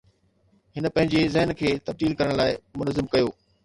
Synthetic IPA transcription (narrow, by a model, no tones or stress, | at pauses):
ɦɪnə̆pɐ̃ɦɪ̃ɲd͡ʑezɐɦɪnkʰeːt̪ɐb̚d̪iːlkɐɾəɽ̃laːɪmʊnəzɪmkɐjoː